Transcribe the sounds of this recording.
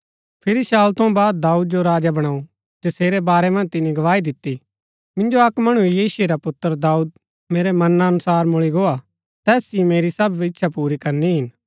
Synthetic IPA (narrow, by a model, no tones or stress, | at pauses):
pʰɪɾiʃaːlt̪ʰɐ̃baːd̪̚d̪aːuːd̪̚d͡ʒoɾaːd͡ʒabɐɽ̃aːu | d͡ʒɐseːɾɛbaːɾɛmɐ̃nd͡ʒt̪ɪnĩɡɐʋaːid̪ɪt̪ːi | mɪ̃nd͡ʒoɐkmɐɽ̃uijiːsʊeɾapʊt̪ːəɾd̪aːuːd̪̚ | meːɾɛmɐnaːnʊsaːɾmʊɭiɡoa | t̪ɛːsimeːɾisɐbʋɪtːʃʰapuːɾikɐɾniɦɪn